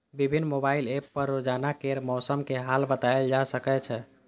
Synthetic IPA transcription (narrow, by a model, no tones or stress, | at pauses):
bibʱinːmobailepːəɾːod͡ʒanakeɾmɔsəmkeɦalbət̪aeld͡ʒasəkɛt͡ʃʰɛ